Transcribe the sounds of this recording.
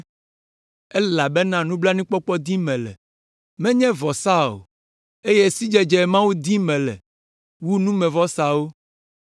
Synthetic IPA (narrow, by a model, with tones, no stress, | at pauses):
ɛ˦la˨bɛ˦nã˦nũ˦bla˦nũ˦k͡pɔ˦k͡pɔ˦d̪i˦mɛ̃˨lɛ̰˨ | mɛ̃˦ɲɛ̃˦vɔ˨sa˦o̰˨ | e˦je˦si˦d͡ʒɛ˦d͡ʒɛ˨mã˦wu˦d̪i˦mɛ̃˨lɛ̰˨ | wu˦nũ˦mɛ̃˨vɔ˦sa˦wo˦